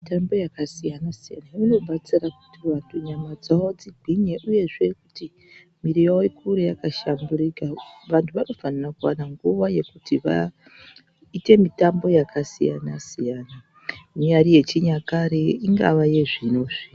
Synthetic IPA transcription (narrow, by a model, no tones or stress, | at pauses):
mitambo̞jakasijanasijanaino̞ɓat͡siraku̥tiʋantʰuɲamad͡zaoad͡ziɡʱiɲeʔuje̞ʐekuti | miɾijowekʰuɾejakaʃamburikaʋantʰuʋano̞fanirakuwanaŋɡuʋaje̞kutiʋa̰ | ite̞mitambo̞jakasḭja̰nasijaːna | miɲaɾije̞t͡ʃiɲakaɾeiŋɡa̰ʋaje̞ʐinoʐi